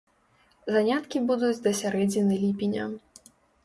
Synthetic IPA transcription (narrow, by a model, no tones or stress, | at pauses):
zanʲat̪kʲibud̪ud͡zʲd̪ɐsʲaɾɛd͡zʲnʲinɨlʲipʲinʲɐ̰